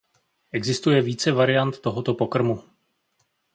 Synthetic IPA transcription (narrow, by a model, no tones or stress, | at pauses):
ʔɛɡzɪst̪ujɛviːt͡sɛvaɾɪjant̪ːo̞ɦo̞t̪o̞po̞kr̩mu